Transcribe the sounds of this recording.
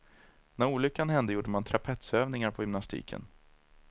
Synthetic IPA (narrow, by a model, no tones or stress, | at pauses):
næɾuːlʏkːanhɛnd̪əjuːɖəmant̪ʰɾapʰɛt̪søːvnɪŋaɾpʰɔhʏmnast̪ḭːkʰə̰n